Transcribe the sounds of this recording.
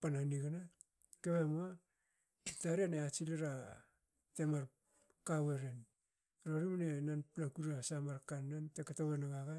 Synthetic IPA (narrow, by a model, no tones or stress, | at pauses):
pananiɡana | keβemua | taɾianeat͡ʃiliɾa | temaɾ | kaweɾen | ɾoɾimanenanplakuɾasamaɾkanːantekatowenaɡaɡa